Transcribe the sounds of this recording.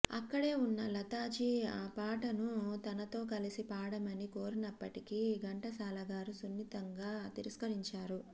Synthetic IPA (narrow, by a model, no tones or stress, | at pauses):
ɐ̰kːɐɽe̞ːunːɐlɐt̪aːd͡ʒiaːpaːʈɐnut̪ɐnɐt̪o̞ːkɐlisipaːɽɐmɐnikoːɾinɐpːɐʈikiɡɐɳʈɐsaːlɐɡaːɾusunːit̪ɐŋɡaːt̪iɾiskɐɾiɲt͡ʃaːɾu